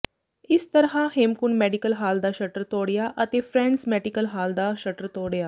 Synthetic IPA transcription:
ɪst̪əɾɦãhemkunmɛɖikəlɦaːld̪aʃəʈəɾt̪oːɽjaʔət̪efɾɛ̃ɳɖsmɛɖikəlɦaːld̪aʃəʈəɾt̪oːɽjaː

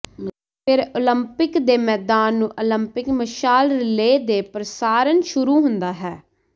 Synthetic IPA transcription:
pʰɪɾoːləmpɪkd̪eːmɛːd̪aːnːũːʔoləmpɪkməʃaːlɾɪleːd̪eːpɾəsaːɾənʃʊɾuːɦʊ̃nd̪aːɦɛː

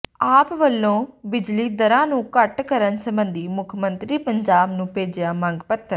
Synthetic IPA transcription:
aːpʋəlːõːbɪd͡ʒliːd̪əɾãːnũːkəʈkəɾənsəmbənd̪iːmʊkʰmənt̪ɾiːpəɲd͡ʒaːbnũːpeːd͡ʒjaːmə̃ŋɡpət̪ʰːəɾ

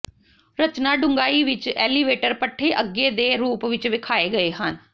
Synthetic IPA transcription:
ɾət͡ʃnaːɖʊ̃ŋɡaːiːʋɪt͡ʃɛːliʋeːʈəɾpəʈʰːeːʔəɡːeːd̪eːɾuːpʋɪt͡ʃʋɪkʰaːeːɡəeːɦən

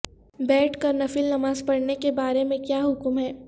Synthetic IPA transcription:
bɛːʈʰkɐɾnɐfɪlnɐmaːzpɐɽnekebaːɾemẽkjaːɦʊkmɦɛː

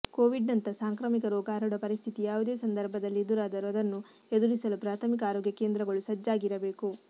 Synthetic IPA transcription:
koːʋiɖnɐnt̪ɐsaːŋkɾɐːmikɐɾɔːɡaːɾuɽɐpɐɾist̪ʰit̪ijaːʋud̪e̞ːsɐnd̪ɐɾbʱɐd̪ɐlːid̪uɾaːd̪ɐɾuɐd̪ɐnːu | ed̪uɾisɐlupɾaːt̪ʰɐmikɐaːɾoːɡjɐkeːnd̪ɾɐɡɐɭusɐd͡ʒːaːɡiɾɐbe̞ːku

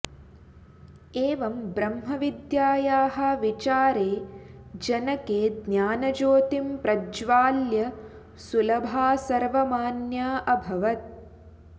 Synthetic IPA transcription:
eːʋɐmbɾɐmɦɐʋid̪jaːjaːɦɐ̆ʋit͡ʃaːɾeː | d͡ʒɐnɐkeːd̪njaːnɐd͡ʒoːt̪impɾɐd͡ʒʋaːljɐ | sulɐbʱaːsɐɾʋɐmaːnjaːʔɐbʱɐʋɐt̪̚

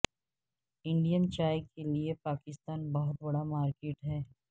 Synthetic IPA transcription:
ɪ̃ɳɖijənt͡ʃaːjkeliepaːkɪst̪aːnbɐɦʊt̪̚bɐɽamaːɾkeːʈɦɛː

